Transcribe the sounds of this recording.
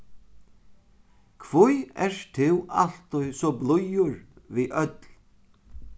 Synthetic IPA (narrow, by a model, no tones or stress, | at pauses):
kʰʋʊjɛɾt̪ʰɪwʔal̥t̪ʊjsɔblʊjʊɹviːʔœt̪l